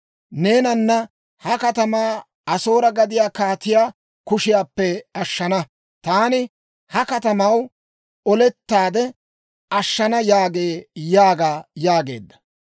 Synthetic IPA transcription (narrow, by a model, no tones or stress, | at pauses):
ne̞ːnɐnːɐ | hɐkɐt̪ɐmaː | ɐso̞ːɾɐɡɐd̪ɪjaːkaːt̪ɪjaː | kʊʃɪjaːpːɛɐʃːɐnɐ | t̪aːnɪ | hɐkɐt̪ɐmɐw | ɔlɛt̪ːaːd̪ɛ | ɐʃːɐnɐjaːɡe̞ːjaːɡaːjaːɡe̞̰ːd̪ːɐ̥